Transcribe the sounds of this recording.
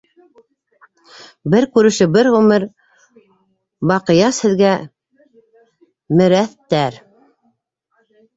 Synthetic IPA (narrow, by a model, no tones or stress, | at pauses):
bɘɾkʉɾɘ̆ʃɘbɘɾʁʉmɘɾ | bɑqɤ̆jɑshɘ̆ðɡæ | mɘ̆ɾæθt̪æɾ